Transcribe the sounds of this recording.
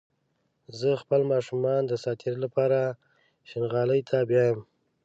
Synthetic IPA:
zəxpəlmɑʃumɑnd̪əsɑt̪ʰeɾolapɑɾa | ʃɪnɣɑləjt̪ʰabjajəm

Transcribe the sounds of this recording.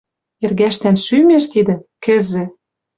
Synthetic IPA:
erɣæʃt̪ænʃymeʃt̪id̪ɘ̆kɘ̆zɘ̆

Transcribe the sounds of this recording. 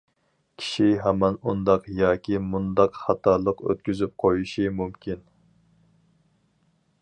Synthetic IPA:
kʲʰi̥ʃiɦɛmɛnund̪ɑqjɑːkʲimund̪ɑqχɑt̪ʰɑɾlˠəqø̰t̪kʲyzyp̚qʰojiʃimumkʲin

